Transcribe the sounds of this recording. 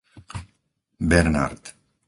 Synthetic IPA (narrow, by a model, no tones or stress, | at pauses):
beɾna̰ɾt̪